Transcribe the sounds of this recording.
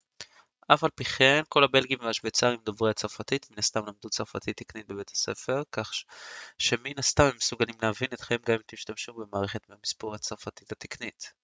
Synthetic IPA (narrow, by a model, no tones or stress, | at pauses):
ʔafalpiχemko̞labe̞lɡimveaʃbet͡saʁimd̪ovʁeat͡saʁfat̪it̪minast̪amlamd̪ut͡saʁfa̰t̪it̪ːiknit̪̚bebe̞t̪hḁse̞̰fe̞ʁkaχʃe̞minast̪amhemːesuɡalimlavinet̪χeimɡamimt̪iʃt̪amʃube̞maːʁe̞χe̞t̪meamispuʁhat͡saʁfat̪it̪hat̪iknit̪